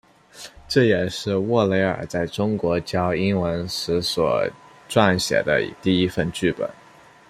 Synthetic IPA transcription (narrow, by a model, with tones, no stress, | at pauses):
ʈ͡ʂɤ˥˩jɛ˨˩ʂɻ̩˥˧wɔ˥˩le˧˥ɪə̰˞˨˩t͡sa˥˩ɪʈ͡ʂʊ˥ŋkwɔ˧˥t͡ɕjɑ˥ʊi˥nwə˧˥nʂɻ̩˧˥swɔ̰˨˩ | ʈ͡ʂwa˥˩nɕjɛ̰˨˩d̪ə̰˦˧t̪i˥˩i˥fə˥˧nt͡ɕy˥˩pə̰˨˩˦n